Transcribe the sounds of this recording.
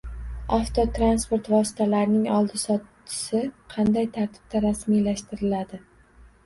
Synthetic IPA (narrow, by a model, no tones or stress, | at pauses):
aft̪ʰot̪ʰɾanspo̞ɾt̪vɒsɪ̥t̪ʰalaɾnɪŋɒlˠd̪ɪsɒt̪t͡ʃʰːɪ̥sɪqʰɑnd̪ajt̪ʰaɾt̪ʰɪ̥b̥̚t̪aɾasmijlaʃt̪ɪɾɪlad̪ɪ